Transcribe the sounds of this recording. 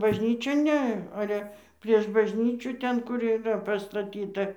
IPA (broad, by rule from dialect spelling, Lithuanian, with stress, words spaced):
bɐʒʲˈnʲiːt͡ʃʲoːn ˈnʲɛ ˈɑːlʲɛ pʲrʲiɛʃ bɐʒʲˈnʲiːt͡ʃʲuː ˈtʲɛn kʊr iːˈrɐ pɐstɐˈtʲiːtɐ